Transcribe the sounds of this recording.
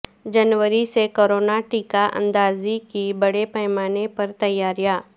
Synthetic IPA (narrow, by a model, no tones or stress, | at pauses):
d͡ʒɐnwəɾisekoːɾoːnaʈiːkaʔɐ̰̃nd̪aːzikibɐɽepɛɦmaːnepɐɾt̪ɐjːaːɾjaː